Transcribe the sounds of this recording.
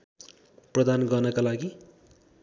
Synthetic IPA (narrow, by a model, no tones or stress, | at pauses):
prʌd̪anɡʌrnʌkalaɡi